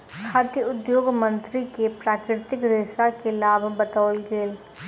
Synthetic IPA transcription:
kʰaːt̪əʊd̪joːɡmə̃nt̪ɾikepɾaːkɾɪt̪ɪkɾɪsakelaːbbɐt̪aːlɡeːl

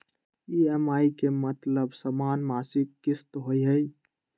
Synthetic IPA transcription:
iɛmaikemət̪ləbsəmanmasɪkːɪst̪ɦojɦəj

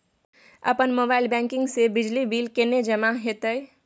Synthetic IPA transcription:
ə̰pənmobailbɛ̃ŋkɪ̃ŋɡsebɪd͡ʒlibiːlkened͡ʒəmaɦet̪əj

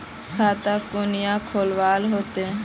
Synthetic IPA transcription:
kʰat̪akunijakʰolʋalɦot̪e

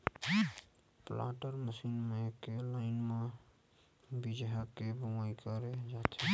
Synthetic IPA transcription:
pla̰ʈəɾməsinmekelaɪnme | bid͡ʒɦakebəmaikəɾed͡ʒat̪ʰe

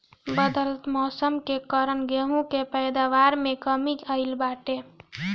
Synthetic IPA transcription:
bəd̪əlt̪mɔsəmkekəɾənɡeɦũkepəjd̪aʋaɾmekəmiəɪlbaʈe

